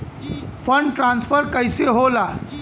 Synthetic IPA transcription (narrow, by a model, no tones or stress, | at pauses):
pʰəɳɖʈɾãnspʰəɾkəɪseɦola